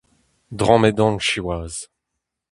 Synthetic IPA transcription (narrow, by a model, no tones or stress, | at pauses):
d̪ʁɔ̃med̪ɔ̃ŋʃiwaːz